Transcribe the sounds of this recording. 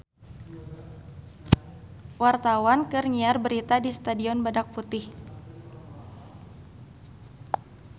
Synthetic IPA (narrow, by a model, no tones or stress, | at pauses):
wart̪awankɨrŋiarbəɾit̪adist̪adiɔnbadak̚put̪ɪh